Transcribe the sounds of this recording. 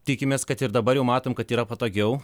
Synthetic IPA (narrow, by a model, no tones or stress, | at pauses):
t̪ʲɪkʲɪmʲeːskɐt̪ɪɾd̪ɐbɐɾjɛʊmɑːt̪oːmkɐt̪iːɾɐpɐt̪oːɡʲɛʊ